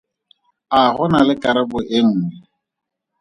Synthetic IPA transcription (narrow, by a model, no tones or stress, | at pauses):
aχʊnalɪkʼaɾabʊʔɪŋ̩ːɛ